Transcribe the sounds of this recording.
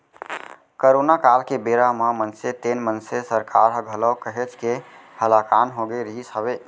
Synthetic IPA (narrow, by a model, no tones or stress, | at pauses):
kəɾonakalkebeɾaməmənset̪enmənsesəɾkaɾɦəɡʱələwkəɦet͡ʃʰke | həlakanɦoɡeɾəɦisəbe